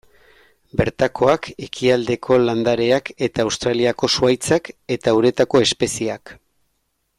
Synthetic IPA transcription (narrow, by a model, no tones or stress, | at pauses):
be̞ɾt̪akʰo̞ake̞kʰiald̪e̞kʰo̞land̪aɾe̞ake̞t̪aːwst̪ɾaliako̞suajt͡sake̞t̪auɾe̞t̪ako̞e̞spe̞siak